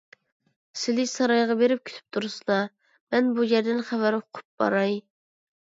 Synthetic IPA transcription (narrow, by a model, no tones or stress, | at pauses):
sɪlɪsɑɾɑjʁɑbeɾɪp̚kʲʰy̥t̪ʰy̥p̚t̪ʰuɾɨsɨlˠɑ | mɛnbujɛɾd̪ɪnχævæɾʊqʰʊ̥p̚b̥ɑ̰ɾɑj